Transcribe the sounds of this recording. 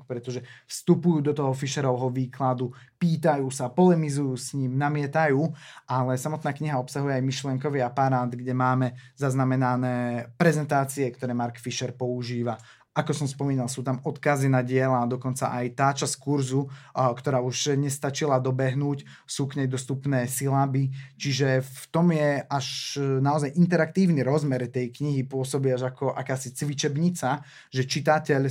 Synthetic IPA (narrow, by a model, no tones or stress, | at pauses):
kpɾɛt̪ɔʒɛfst̪upujuːd̪ɔt̪ɔɦɔfiʃɛɾɔʋɦɔʋiːklad̪upiːt̪ajuːsapɔlɛmizujuːsɲiːmnamɪɛt̪ajuːʔalɛsamɔt̪naːkɲiɦaɔpsaɦujɛajmiʃlɪɛŋkɔʋiapaɾaːd̪ɡɟɛmaːmɛzaznamɛnanɛːpɾɛzɛnt̪aːt͡siɛkt̪ɔɾɛːmaɾkfiʃɛɾpɔuʒiːʋa | ʔakɔsɔmspɔmiːnalˠsuːt̪amɔt̪kazinaɟɪɛlaːd̪ɔkɔnt͡saʔajt̪aːt͡ʃaskuɾzukt̪ɔɾaːuʒɲɛst̪at͡ʃilad̪ɔbɛɦnuːc | suːkɲɛjd̪ɔst̪upnɛːsilabit͡ʃiʒɛft̪ɔmjɛaʒnaɔzajʔint̪ɛɾak̚t̪iːʊniɾɔzmɛɾt̪ɛjkɲiɦipʊɔsɔbiaʒakɔʔakaːsit͡sʋit͡ʃɛbɲit͡sa | ʒɛt͡ʃit̪acɛʎ